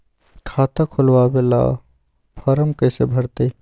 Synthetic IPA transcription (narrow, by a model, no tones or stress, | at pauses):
kʰaːt̪akʰʊlwabela̰ː | pʰəɾəmkəsebʱəɾt̪e